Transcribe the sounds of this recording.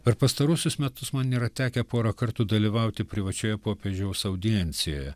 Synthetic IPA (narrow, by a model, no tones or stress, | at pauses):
pʲɛɾpɐst̪ɐɾʊsʲʊsmʲɛt̪ʊsmɐnʲiːɾɐt̪ʲæːkʲɛpoːɾɐkɐɾt̪uːd̪ɐlʲiːʋɐʊt̪ʲɪpʲɾʲɪʋɐt͡ʃʲoːjɛpoːpʲeːʒʲɛʊsɐʊd̪ʲɪɛnʲt̪sʲɪjo̰ːjɛ